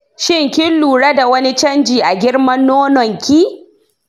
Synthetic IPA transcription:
ʃɪ˦ŋkʲɪ˦nluː˨ɽɐ˦da˨wɐ˦ni˦t͡ʃɐ˦nd͡ʒiː˨ʔa˨ɡʲɪ˦ɽmɐ˦nːoː˦nɔ˨ŋkʲiː˦

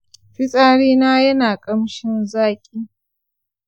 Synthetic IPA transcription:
ɸɪ˦sʼaː˦ɽiː˦naː˦jɐ˦naː˨kʼɐ˦mʃɪ˦nzaː˦kʲʼiː˦

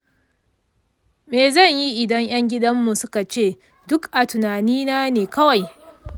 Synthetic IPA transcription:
meː˨zɐ˦˨ɲji˦ʔɪ˨dɐ˦ŋj̰ɐ˦ŋɡʲɪ˦dɐ˦mːu˨sʊ˦ka˨t͡ʃeː˦˨ | dʊ˦kʔa˨tʊ˨naː˨niː˦naː˦neː˨kɐ˦wa˨j

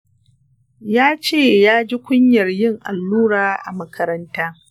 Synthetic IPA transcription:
jaː˦t͡ʃeː˦˨jaː˦d͡ʒi˦kʷʊ˦ɲjɐ˨rjɪ˦ŋʔa̰˨lːuː˦ɾaː˨ʔa̰˨mɐ˦kʰɐ˦ɾɐ˦ntaː˦

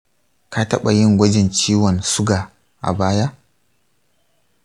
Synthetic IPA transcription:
ka˦tɐ˦ɓa˨jɪ˦ŋɡʷɐ˦d͡ʒɪ˨nt͡ʃiː˦wɔ˨nsʊ˦ɡaː˨ | ʔa̰˨baː˦ja˦ʔ

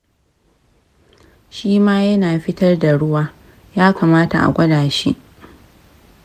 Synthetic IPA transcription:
ʃiː˦maː˦jɐ˦naː˨ɸɪ˦tɐ˦rda˨ɽʊ˦waː˦ | jaː˦kaː˨maː˦ta̰˨ʔa̰˨ɡʷɐ˦daː˨ʃḭ˦ʔ

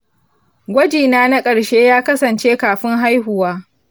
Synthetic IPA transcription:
ɡʷɐ˦d͡ʒiː˨naː˦na˦kʼɐ˨ɽʃeː˦jaː˦kɐ˦sɐ˨nt͡ʃeː˦kaː˨ɸɪ˦ŋɦa˦jɦʊ˨waː˦

